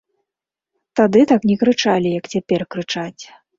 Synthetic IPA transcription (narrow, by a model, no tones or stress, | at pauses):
t̪ad̪ɨt̪aknʲɛkɾɨt͡ʂalʲijɐkt͡sʲapʲɛrkɾɨt͡ʂat͡sʲ